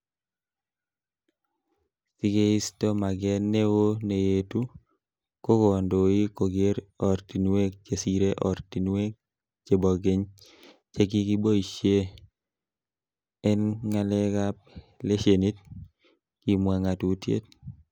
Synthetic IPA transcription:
si˨ɡe˦i˦stɔ˦ma˨ɡɛ˦nːe˦wo˦ne˨jetu˦ | ko˦kɔ˨ndo˨i˦ko˨ɡe˦ɾɔ˨ɾti˨nwe˦k̚t͡ʃe˨siɾe˦ʔɔɾti˨nwe˦k̚ | t͡ʃe˨bɔ˨ɡɪ˦ɲ | t͡ʃe˦k̬i˦ki˦bo˦i˨ʃje˦ | ɛ˦nŋa˦lɛ˦kap̚ | le˦ʃe˨ni˦t̚ | ki˨mwa˨ŋa˨tu˨tjḛ˦t̚

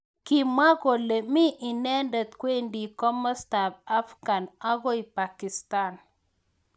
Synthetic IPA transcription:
ki˨ma˦ɣo˨le˨mɪ˦ʔɪ˨nɛ˦ndɛ˨t̪kwe˦ndi˨kɔ˦mɔ˦sta˨pa˦fɡa˨na˦ɣɔ˦i˨pa˨kɪ˨st̪a˦n

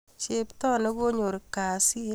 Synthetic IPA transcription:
t͡ʃe˦ptɔ˦ne˦ɡo˦ɲo˨ɾka˨si˦˨

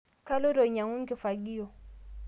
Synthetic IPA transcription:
ka˦lʊ˦ɾɔ˨ɲa˨ŋʊ˦ŋ̩˦kʼɪ˨fa˨ɡi˦jɔ˨

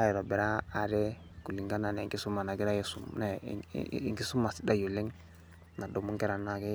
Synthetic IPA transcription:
a˦jɛ˨ɾo˨bɛ˨ɾaː˦˨dɛ˦ | ku˨li˨ŋɡa˦na˨nɛ˨ŋɡi˦su˦ma˨na˨ɡi˦ɾa˦je˨su˦mnɛ̰˨ | ŋɡi˦su˦ma˨si˦da˦jo˨le˦ŋ | na˨do˨mu˦ŋkɛ˦ɾa˨na˦˨kɛ˦

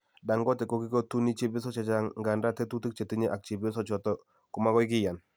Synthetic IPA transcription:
da˨ŋɡɔ˦tɛ˨kɔ˨ki˦ko˦tu˦ni˦t͡ʃe˦bɪ˦s̬ɔ˦t͡ʃa˨t͡ʃa˦ŋŋɡa˨nda˦te˦tu˦ti˦k̚t͡ʃe˨ti˦ɲe˦ʔa˨k̚t͡ʃi˨bɪ˦sɔ˦t͡ʃɔ˨tɔ˦ | ku˨ma˦kɔ˦jk̬ɪ˦ja˨n

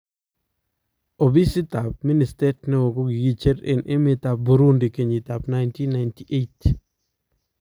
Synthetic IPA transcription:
o˨bi˦sɪ˦ta˨p̚mi˦ni˨ste˦tnɛ˦wo˨ko˦ɡi˨ɡi˦˨t͡ʃe˦ɾɪ̰˨nʔɪ˦mɪ˨t̪a˨p̚bu˨ɾu˦ndi˨ke˨ɲi˨t̪a˨pna˦jnti˦nːa˨jnti˦ʔe˦t

